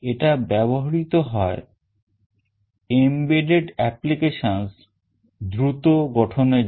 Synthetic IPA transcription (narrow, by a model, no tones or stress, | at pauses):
eʈabɛboɦaɾit̪oɦɔe | embeɖeɖɛplikeʃons | d̪ɾut̪oɡɔʈʰone